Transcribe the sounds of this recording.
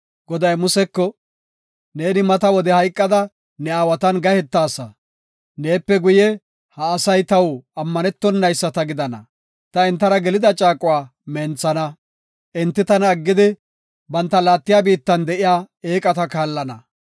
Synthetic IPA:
ɡɔd̪ɐjmʊsɛkːɔ | ne̞ːnɪmɐt̪ɐwɔd̪ɛhɐjkʼːɐd̪ɐ | nɛaːwɐt̪ɐnɡɐhɛt̪ːaːsɐ | ne̞ːpːɛɡʊjɛ | hɐːsɐjt̪ɐwɐmːɐnɛt̪ːɔnːɐjsːɐt̪ɐɡɪd̪ɐnɐ̰ | t̪ɐɪnt̪ːɐɾɐɡɛlɪd̪ɐt͡ʃʼaːkʼʊwaː | mɛːnt͡sːɐnɐ | ʔɪnt̪ːɪt̪ɐnːɡːɪd̪ɪ | bɐnt̪ːɐlaːt̪ːɪjaːbiːt̪ːɐnd̪ɛʔɪjaː | e̞ːkʼɐt̪ɐkaːlːɐnɐ

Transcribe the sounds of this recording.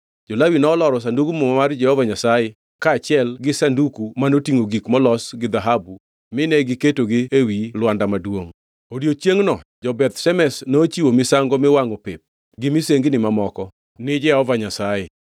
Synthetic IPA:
d͡ʒɔlawinɔːlɔɾɔs̬anduɡumɔmamard͡ʒɛhɔvaɲasajɪ | kaːt͡ʃɪɛlɡɪsandukumanotiŋoɡikmɔlɔsɡɪd̪aɦabu | mɪnɛɡɪketoɡɪewilwandamadwoŋ | odjot͡ʃjeŋnɔd͡ʒɔbɛt̪ʃɛmɛsnoːt͡ʃiwomɪsaŋɡɔmɛwaŋopɪp̚ | ɡɪmɪseŋɡɪnɪmamɔkɔ | nɪd͡ʒɛɔvaɲasajɪ

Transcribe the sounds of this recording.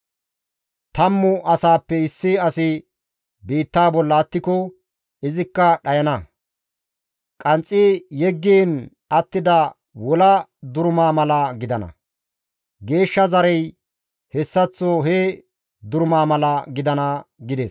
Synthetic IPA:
t̪ɐmːʊʔɐsaːpːɛɪsːɪɐsɪ | biːt̪ːaːbɔlːɐːt̪ːɪkɔ | ɪzɪkːɐɗɐjɐnɐ | kʼɐnt͡sʼːijɛɡːiːn | ɐt̪ːɪd̪ɐ | wɔlɐd̪ʊɾʊmaːmɐlɐɡɪd̪ɐnɐ̰ | ɡe̞ːʃːɐzɐɾɛj | hɛsːɐt͡sːoɦe | d̪ʊɾʊmaːmɐlɐɡɪd̪ɐnɐɡɪd̪ɛs

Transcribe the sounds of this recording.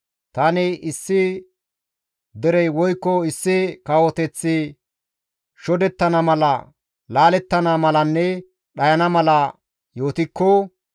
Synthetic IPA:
t̪ɐnɪɪsːɪ | d̪ɛɾɛjwɔjkːɔɪsːɪkɐwɔt̪ɛt͡sːɪ | ʃɔd̪ɛt̪ːɐnɐmɐlɐ | laːlɛt̪ːɐnɐmɐlɐnːɛ | ɗɐjɐnɐmɐlɐ | jo̞ːt̪ɪkːɔ

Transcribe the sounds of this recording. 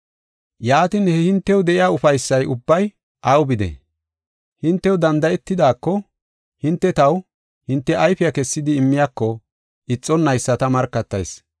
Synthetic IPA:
jaːt̪ɪnhɛhɪnt̪ːɛwd̪ɛʔɪjaːʊfɐjsːɐjʊbːɐj | ʔɐwbɪd̪ɛ̰ | hɪnt̪ːɛwd̪ɐnd̪ɐɛt̪ːɪd̪aːkːɔ | hɪnt̪ːɛt̪ɐw | hɪnt̪ːɛʔɐjfɪjakɛsːɪd̪ɪːmːɪjakːɔ | ɪt͡sʼːɔnːɐjsːɐt̪ɐmɐɾkːɐt̪ːɐ̰js

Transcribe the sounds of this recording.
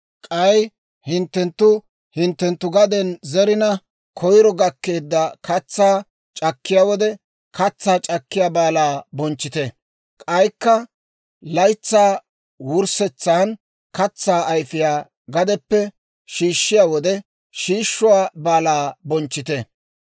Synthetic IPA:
kʼɐj | hɪnt̪ːɛnt̪ːʊ | hɪnt̪ːɛnt̪ːʊɡɐd̪ɛnzɛɾɪnɐ | kʰɔjɾɔɡɐkːe̞ːd̪ːɐkʰɐt͡sːaː | t͡ʃʼɐkːɪjaːwɔd̪ɛ | kɐt͡sːaːt͡ʃʼɐkːɪjaːbaːlaːbɔnt͡ʃːɪt̪ɛ | kʼɐjkːɐ | lɐjt͡sːaː | wʊɾsɛt͡sːaːn | kɐt͡sːaːʔɐjfɪjaː | ɡɐd̪ɛpːɛ | ʃiːʃːɪjaːwɔd̪ɛ | ʃiːʃːʊwaːbaːlaːbɔnt͡ʃːɪt̪ɛ

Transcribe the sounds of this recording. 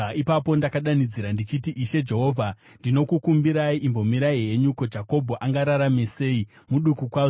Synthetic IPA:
ipapo̞ndakaɗanid͡ziɾandit͡ʃitiʔiʃe̞d͡ʒe̞ɦo̞ːvʱa | ndino̞kukumbiɾaiʔimbo̞miɾaiɦe̞ɲukod͡ʒako̞bʱoʔaŋɡaɾaɾame̞se̞ːi | muɗukukwaːzo

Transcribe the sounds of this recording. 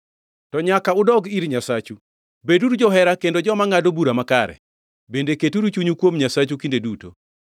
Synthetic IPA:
tɔɲakaʊdɔɡiɾɲasat͡ʃu | beduɾud͡ʒɔɦɛɾakendod͡ʒɔmaŋadobuɾamakaɾɛ̰ | bendeketuɾut͡ʃuɲukwomɲasat͡ʃukindeduto̰

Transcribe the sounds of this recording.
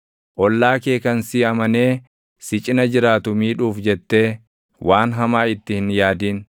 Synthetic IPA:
ʔɔlːaːke̞ːkɐnsiːɐmɐne̞ː | sɪt͡ʃʼɪnɐd͡ʒɪɾaːt̪ʊmiːᶑuːfd͡ʒɛt̪ːe̞ː | wʔaːnɦɐmaːɪt̪ːɪhɪnjaːd̪iːn

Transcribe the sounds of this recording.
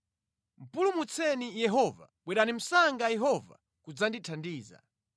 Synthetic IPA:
m̩pulumut͡sʰɛnijɛɦɔva̰ | ɓwɛɗanim̩saŋɡajɛɦɔva̰ | kud͡zanditʰandiːza̰

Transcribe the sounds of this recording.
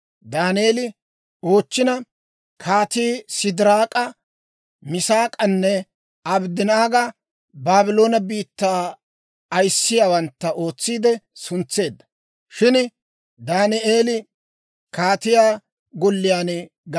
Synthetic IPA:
d̪aːnɪeːlɪ | o̞ːt͡ʃːɪnɐ | kʰaːt̪iːsɪd̪ɪɾaːkʼɐ | mɪsaːkʼɐnːɛ | ɐbd̪ɪnaːɡɐ | baːbɪlo̞ːnɐbiːt̪ːaː | ɐjsːɪjaːwɐnt̪ːɐʔo̞ːt͡sːiːd̪ɛsʊnt͡sːe̞ːd̪ːɐ̥ | ʃɪn | d̪aːnɪʔeːlɪ | kaːt̪ɪjaː | ɡɔlːɪjaːnɛ | ɡ

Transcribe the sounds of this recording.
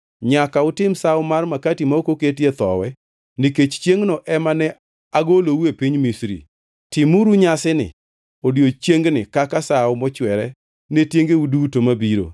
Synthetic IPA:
ɲakaʊtɪmsaʊmarmakatimaokoketjet̪ɔ̰wɛ | nɪket͡ʃt͡ʃjeŋnɔʔɛmanɛ | aɡolowepiɲmisɾḭ | tɪmuɾuɲasɪnɪ̰ | odjot͡ʃjeŋɡnɪkakasaʊmɔt͡ʃwɛɾɛ | netjeŋɡeudutomabiɾo̰

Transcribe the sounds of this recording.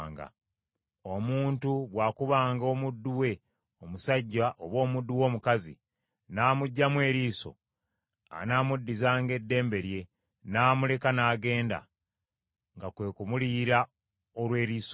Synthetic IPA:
ŋɡa̰ | omuːntuβwaːkuβaːŋɡo̞ːmudːuwe̞ | omusaɟːaʔoβwo̞ːmudːuwo̞ːmukazḭ | naːmuɟːamwe̞ːɾiːso̞̰ | a̰naːmudːizaːŋɡe̞dːe̞ːmbe̞ɾje̞ | naːmule̞kanaːɡe̞ːnda̰ | ŋɡakwe̞ːkumuliːɾa | olwe̞ːɾiːso

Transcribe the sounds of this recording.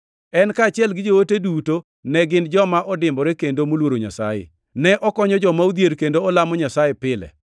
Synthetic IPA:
ɛnkaːt͡ʃɪɛlɡɪd͡ʒowoteduto | nɛɡɪnd͡ʒɔmaʔɔdɪmbɔɾɛkendomolwoɾoɲa̰sa̰jḛ | nɛʔɔkɔɲɔd͡ʒɔmaud̪jeɾkendoɔlamɔɲasajepɪlɛ̰

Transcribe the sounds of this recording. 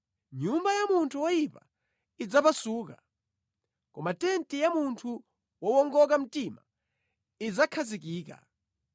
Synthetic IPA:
ɲumbajamuntʰuwɔjipa | id͡zapasuːka | kɔmatɛntijamuntʰu | wɔwɔŋɡɔk̬am̩tima̰ | id͡zakʰazik̬iːka̰

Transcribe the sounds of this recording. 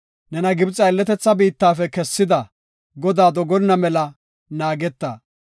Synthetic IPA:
nɛnɐɡɪbt͡sʼːɐɛlːɛt̪ɛt͡sːɐbiːt̪ːaːfɛkɛsːɪd̪ɐ | ɡɔd̪aːd̪ɔɡɔnnːɐmɛlɐ | naːɡɛt̪ːɐ̰

